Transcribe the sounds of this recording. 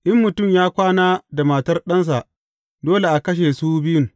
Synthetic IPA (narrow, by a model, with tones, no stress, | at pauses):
ʔɪ˦mːʊ˨tʊ˦˨mjaː˦kʷaː˦naː˦da˨ma˨tɐ˦rɗɐ˦ns̬a˨ʔ | doː˦le˨ʔa˨kɐ˦ʃ̬e˨suː˦bɪ˦jʊ˦ŋ